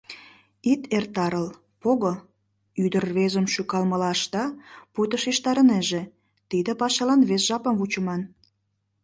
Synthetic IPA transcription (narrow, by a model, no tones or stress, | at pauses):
it̪ert̪ɑɾəl | poɣo | yd̪ərβezəmʃykɑlməlɑʃt̪ɑput̪əʃiʃt̪ɑɾəneʒe | t̪id̪əpɑʃɑlɑnβesʒ̥ɑpəmvut͡ɕəmɑn